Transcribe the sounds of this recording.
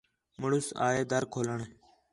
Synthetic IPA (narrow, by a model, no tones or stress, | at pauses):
məɽʊsa̰ːeːd̪əɾkʰoːləɳ